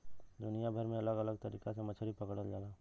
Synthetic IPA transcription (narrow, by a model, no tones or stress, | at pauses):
d̪ʊnijabʱɐɾmẽɐləɡɐləɡ̚t̪ɐɾḭːkasemɐt͡ʃʰɾipɐkəɽəld͡ʒaːlaː